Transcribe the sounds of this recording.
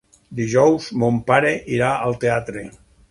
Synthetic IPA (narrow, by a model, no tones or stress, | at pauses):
d̪iʒɔwzmompaɾeʔiɾaalˠt̪eat̪ɾe